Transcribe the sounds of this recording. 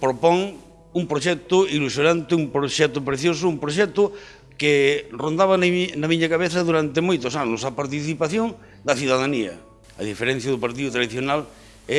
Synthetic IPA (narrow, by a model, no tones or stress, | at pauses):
pɾopoŋ | umpɾoʃɛk̚t̪ʊilusjonãnt̪ɪumpɾoʃɛt̪ʊpɾeθjosʊumpɾoʃ̬ɛk̚t̪ʊ | kerond̪aβannamiɲakaβ̞eθɐðuɾant̪emojt̪osanosapaɾt̪iθipaθjoŋ | d̪ɐθjuðaðaniɐ̰ | ɐ̰ðifeɾɛ̃n̟θjaðʊpaɾt̪̬iðʊt̪ɾaðiθjonal | ɛ